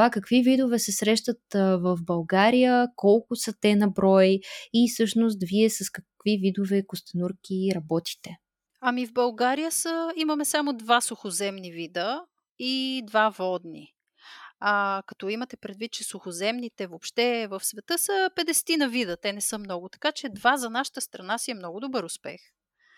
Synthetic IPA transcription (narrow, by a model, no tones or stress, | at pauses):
t̪akɐkvivid̪ovɛsɛsɾɛʃt̪ət̪vəfbɐlˠɡaɾijəkɔlˠkʊsət̪ɛnɐbɾɔjifsɤʃnos̬t̪viɛsɐskɐkvivid̪ovɛkost̪ɐnuɾk̟iɾɐbɔt̪i̥t̪ɛ | ɐmivbɐlˠɡaɾijəsəimɐmɛsamʊd̪vasʊxozɛmnivid̪ə | id̪vavɔd̪nḭ | akɐt̪ɔimɐt̪ɛpɾɛd̪vit̪̚t͡ʃɛsʊxozɛmnit̪ɛvopʃt̪ɛvəfsvɛt̪ɤsəpɛd̪ɛsɛ̥t̪inɐvid̪ət̪ɛnɛsɤmnɔɡʊt̪ɐ̥kat͡ʃɛd̪vazɐnaʃə̥t̪əst̪ɾɐnasiɛmnɔɡʊd̪obɤɾʊspɛ̰x